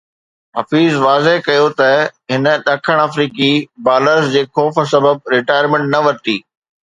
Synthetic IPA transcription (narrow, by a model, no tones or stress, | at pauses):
ɦɐfiːzʋaːzeɦkɐjot̪ɐɦɪnə̆ɗɐkʰəɽ̃aːfɾiːkibaːləɾsd͡ʑeːxɔːf̆sɐbəb̚ɾɪʈaːjəɾmẽɳʈ̚nɐʋɐɾt̪iː